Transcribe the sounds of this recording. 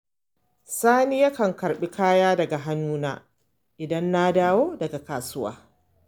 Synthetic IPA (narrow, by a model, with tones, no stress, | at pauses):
saː˦ni˦ja˦kɐ˨ŋkɐ˨ɾɓi˦kaː˦jaː˦dɐ˨ɡa˨ɦa˦nːuː˦na̰ː˦ | ʔɪ˨dɐ˦nːa˦daː˦woː˦dɐ˨ɡa˨kaː˨sʊ˦wa̰ː˦